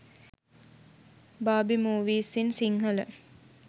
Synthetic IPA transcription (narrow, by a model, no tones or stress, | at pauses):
baːbimuːʋiːsinsiŋɦələ̰